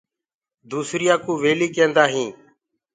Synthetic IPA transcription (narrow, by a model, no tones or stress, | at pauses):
d̪uːsɾɪjãːkuːʋeːliːkẽːnd̪aːɦĩː